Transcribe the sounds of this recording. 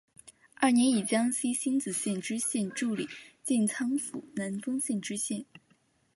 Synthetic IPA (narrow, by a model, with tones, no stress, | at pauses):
a˥˩njɛ˧˥ni˨˩t͡ɕjɑ˥ŋɕi˥ɕi˥nt͡sɹ̩˨˩ɕjɛ˥˧nʈ͡ʂɻ̩˥ɕjɛ˥˧nʈ͡ʂu˥˩li˨˩˦t͡ɕi˥˩nt͡sʰɑ˥ŋfṵ˨˩na˧˥nfɤ˥ŋɕɛ˥˩nʈ͡ʂɻ̩˥ɕjɛ˥˩n